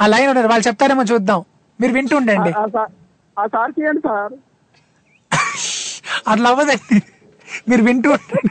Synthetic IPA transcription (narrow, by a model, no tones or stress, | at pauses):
aːlɐjnluɳːaːɾʋaːɭut͡ʃɛp̚t̪aːɾeːmaːt͡ʃuːd̪aːm | miːɾuʋiɳʈuuɳɖɐɳɖisaː | aːsaːɾkijɐɳɖisaːɾ | ɐd̪lɐʋːɐd̪ɐɳɖi | miːɾuʋiɳʈuuɳɖɐɳ